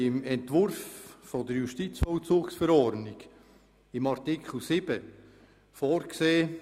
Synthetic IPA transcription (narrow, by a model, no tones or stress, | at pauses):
ɪmɛntvʊɾfːodəɾjʊʃtit͡sfɔlt͡suːksfɛɾɔɾdnɪɡ̥ | ɪmɑɾtikʰχl̩ˠsɪb̥ə | foːɾkseː